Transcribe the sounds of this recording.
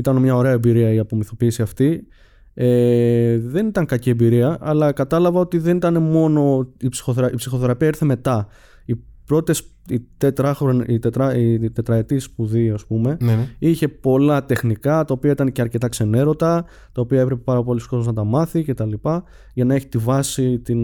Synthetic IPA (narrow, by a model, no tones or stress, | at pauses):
it̪ɐnmɲɐo̞ɾe̞ɐebiɾiɐiɐpo̞miθo̞piːsiɐft̪i | e | ðe̞nit̪ɐŋkɐcie̞biɾiɐʔɐlɐkɐt̪ɐlɐvɐo̞t̪iðe̞nit̪ɐne̞mo̞no̞ipsi̥xoθeɾɐipsixo̞θe̞ɾɐpiɐiɾθe̞me̞t̪ɐ | i | pɾo̞t̪t̪es | it̪et̪ɾɐxɾonit̪et̪ɾɐit̪e̞t̪ɾɐet̪ispuðiɐspume̞içe̞po̞lɐt̪e̞xnikɐt̪ɐopiɐit̪ɐnceɐɾce̞t̪ɐkse̞ne̞ɾo̞t̪ɐ | t̪ɐopiɐe̞pɾepepɐɾɐpo̞liskot̪oznɐt̪ɐmɐθice̞t̪ɐlipɐ | ʝɐnɐe̞çi̥t̪ivɐsit̪in